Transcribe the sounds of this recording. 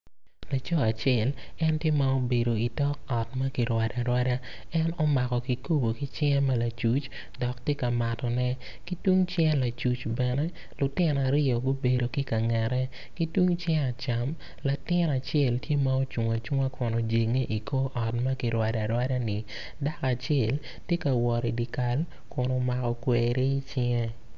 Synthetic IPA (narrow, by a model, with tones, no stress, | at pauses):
la˨t͡ʃɔ˦a˨t͡ʃɛ˨lɛ˦ntje˦ma˦o˦be˨do˨i˨tɔ˦k̚ɔ˨t̚ma˦ki˨ɾwa˨da˨ɾwa˦da˦ | ɛ˦nɔ˦ma˨kɔ˨ki˨ko˦bo˨ki˦t͡ʃɛ˦mɐ˦la˨t͡ʃu˨˦t͡ʃ | dɔ˨ktje˦ka˨ma˨tɔ˨nɛ˦ | ki˦twu˦ŋt͡ʃjɛ˦la˨t͡ʃu˨t͡ʃbɛ˨nɛ˦ | lʊ˨tɪ˦n˨a˨ɾɪ˦ɔ˨ɡo˦be˨do˨ki˦ka˨ŋɛ˨ɾɛ˦ | ki˦twu˦ŋt͡ʃɛ˦a˨t͡ʃa˨m | la˨tɪ˦na˨t͡ʃjɛ˦˨ltje˦ma˦o˦t͡ʃu˨ŋa˨t͡ʃu˦ŋa˦kʰʊ˨nɔ˨d͡ʒe˨ŋe˦ʔi˨kʰo˦ʔɔ˨tma˦ki˨ɾwa˨da˨ɾwa˦da˦nɪ˨ | da˦ka˨t͡ʃɛ˦˨l | tje˦ka˨wɔ˨ɾi˨di˨ka˨l | kʊ˨nɔ˨ma˨kɔ˨kwe˨ɾe˦t͡ʃɪ˦ŋɛ˦